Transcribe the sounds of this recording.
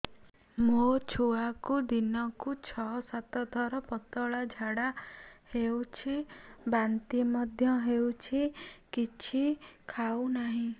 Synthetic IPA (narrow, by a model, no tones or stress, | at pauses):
mot͡ʃʰuakud̪inɔkut͡ʃʰɔsat̪ɔd̪ʱɔɾɔpɔt̪ɔɭad͡ʒʱaɽahewt͡ʃʰibant̪imɔd̪ʱjɔɦewt͡ʃʰikit͡ʃʰikʰawnaɦĩ